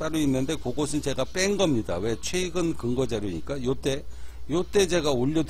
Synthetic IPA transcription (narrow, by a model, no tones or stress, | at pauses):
t͈aɾuinːɯnde̞koɡosʰɯnt͡ɕe̞ɡap͈eŋɡʌmɲida̰we̞t͡ɕʰweɡɯnkɯŋɡʌd͡ʑaɾoɲik͈ajot͈e̞jot͈e̞t͡ɕe̞ɡaoʎːʌd